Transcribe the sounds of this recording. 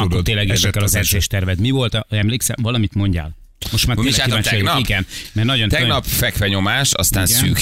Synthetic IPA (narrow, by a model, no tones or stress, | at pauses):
d̪t̪eːlːɛɡɛzɛkːɛlɒzɛrzeːʃt̪ɛrvɛt̪mivo̞lt̪ɒɛmleːksɛ̰vɒlɒmit̪mo̞ɲɟa̰ːl | mo̞ʃt̪maːrelkːiaːt͡ʃoiɡɛnmɛrnɒɟonɛønɒpfɛkfɛɲo̞maːʃɒ̰st̪aːnɡsyːk